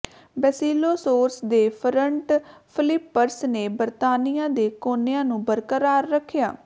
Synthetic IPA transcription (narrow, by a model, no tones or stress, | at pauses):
bɛːsiːloːsoːɾsd̪eːpʰəɾəɳʈpʰɪlɪpːəɾsneːbəɾt̪aːnɪjãːd̪eːkoːnejãːnũːbəɾkəɾaːɾːəkʰːɪjaː